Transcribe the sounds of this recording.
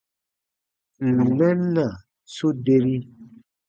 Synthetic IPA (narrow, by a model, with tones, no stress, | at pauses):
n̩˨mɛ̃˦n˦na˨ | so˦de˦ɾi˦